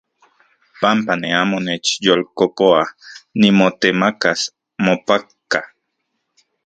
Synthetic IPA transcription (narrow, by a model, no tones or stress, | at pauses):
pampaneaːmonet͡ʃjolkopoanimot̪emakas | mopakːa